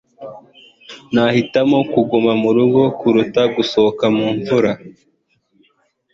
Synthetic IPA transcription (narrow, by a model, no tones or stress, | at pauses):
nahitamo̞kuɡumamuɾuɡo̞kuɾutaɡusookamuːɱvuɾa